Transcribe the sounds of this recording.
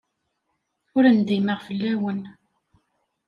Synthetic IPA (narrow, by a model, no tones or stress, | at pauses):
ʊɾənd̪iməʁfəlːæwən